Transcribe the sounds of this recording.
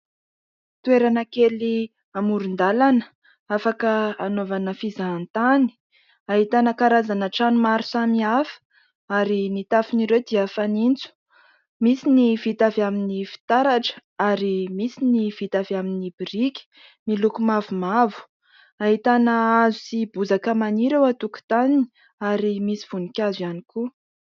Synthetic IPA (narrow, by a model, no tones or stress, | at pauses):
t̪ueɾanəkeli | amuɾund̪alanə | afakəːnovanəfizaːnt̪ani̥ | aɦit̪anəkaɾazanəʈ͡ʂanumaɾusamiafə̥ | aɾinit̪afiniɾewd̪iafanint͡su̥ | misinivit̪avaminifi̥t̪aɾaʈ͡ʂə̥aɾimisiniv̥it̪avaminibiɾikʲi̥ | milukumavumavu̥ | aɦit̪anəazusibuzakəmaniɾewat̪uku̥t̪anini | aɾimisi̥v̥unikʲazujaniku